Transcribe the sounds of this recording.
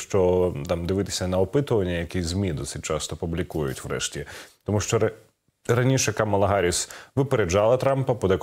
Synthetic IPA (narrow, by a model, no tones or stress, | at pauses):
ʃt͡ʃɔt̪ɑmd̪ɪʋɪt̪ɪ̥sʲɐnɐɔpɪt̪ʊʋɐnʲːɐjɐkizʲmʲid̪ɔsɪ̥t̚ʲt͡ʃɑst̪ɔpʊblʲikujʊ̰tʲʋɾɛ̰ʃtʲit̪ɔmuʃt͡ʃɔɐ | ɾɐnʲiʃɛɐkamɐlˠɐɦɑɾʲisʋɪpeɾed͡ʒɑlˠɐt̪ɾɑmpɐpɔd̪ɛk